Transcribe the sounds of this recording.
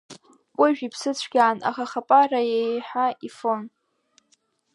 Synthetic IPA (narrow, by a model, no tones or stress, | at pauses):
kʷʼʊʒᶣipʰsɨt͡ɕʷʰɡʲaːna̰χaχapʼarajejħaifon